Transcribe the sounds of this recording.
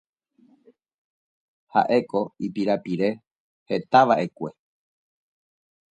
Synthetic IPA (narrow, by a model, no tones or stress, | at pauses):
ha̰ʔe̞ko̞ipiɾapiɾe̞ | he̞t̪aʋaʔe̞kʷe̞